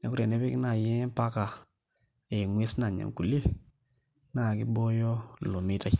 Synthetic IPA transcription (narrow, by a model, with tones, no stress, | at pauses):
nɛ˨˦ku˦ɾe˨nɛ˦pɛ˦kɪ˦na˨jɛ˦pa˦ka˨ | e˨ŋwe˦sna˨ɲa̰˨ŋku˨le˦ | na˨kɪ˦bo˦jɔ˦lo˨mi˦ta˦